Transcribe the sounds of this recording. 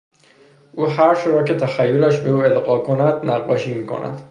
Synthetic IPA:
ʔuːɦæɾʃoɾɒːcet̪ʰæxæjːolæʃbe̞uːelɢɒːkʰonæd̪næʁːɒ̰ːʃiːmiːkʰo̞̰nʔæ̰d̪̥

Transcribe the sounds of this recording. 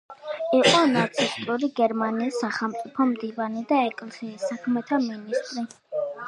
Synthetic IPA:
iqʼɔnat̪sʰist̪ʼɾuliɡɛɾmaniːsːaχɛlˠmt̪sʼipʰɔmd̪ivanid̪aɛkʼlχiːsakʰmɛt̪ʰaminist̪ʼɾi

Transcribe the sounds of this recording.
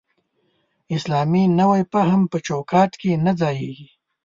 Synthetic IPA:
ɪslɑːminɐwajpaɦampət͡ʃokɑːʈkenad͡zɑːjeɡi

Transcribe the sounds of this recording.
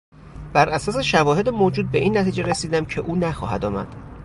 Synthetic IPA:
b̥æɾʔæsɒːse̞ʃævɒːhe̞d̪emoːd͡ʒuːd̪̚be̞ʔiːnːæt̪ʰiːd͡ʒeɾesiːd̪æmcʰe̞ʔuːnæxɒ̰ːɦæ̰d̪ɒːmæ̰d̪̥

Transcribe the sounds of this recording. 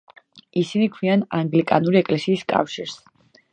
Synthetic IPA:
isinikʰwianaŋɡlikʼanuɾiɛkʼlɛsiːskʼa̰fʃiɾs

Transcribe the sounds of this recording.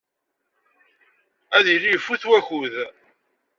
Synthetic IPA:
æðilijfːuθwæçuð

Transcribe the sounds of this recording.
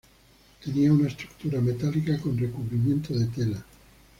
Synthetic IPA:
t̪e̞niaunaest̪ɾuk̚t̪uɾamet̪alikakonrekuβɾimjẽ̞nt̪oðet̪ela

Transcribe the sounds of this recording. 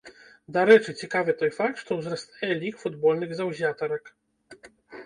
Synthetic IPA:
d̪aɾɛt͡ʂɨt͡sʲikavɨt̪ɔjfak̚t̪ʂt̪ɔwzɾɐst̪ajɛlʲikfud̪bɔlʲnɨɣzawzʲat̪ɐɾɐk

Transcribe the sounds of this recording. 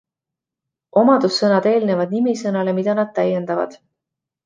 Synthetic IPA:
o̞mɑd̪̥usːɤnɑd̪e̞ːlne̞vɑd̪̥̚nimisɤnɑle̞mid̪̥ɑnɑd̪̥̚t̪æjːend̪̥ɑvɑ̰d̪̥

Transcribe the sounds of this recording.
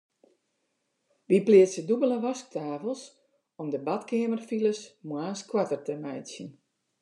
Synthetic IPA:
ʋiplɪəsədubələʋɔsk̚tʰaːvəlˠs | ɔmdəbatkɪəmərfiləsmwaːskwatərtəmɛjsjən

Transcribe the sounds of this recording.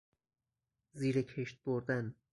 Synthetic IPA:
ziːɾecʰe̞ʃt̪̚boɾd̪æn

